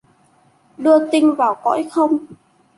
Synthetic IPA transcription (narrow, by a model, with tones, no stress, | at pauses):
ɗɨ˧ət̪ï˧ŋvaː˨˩wkɔ̰˧˥jxə˧wŋ͡m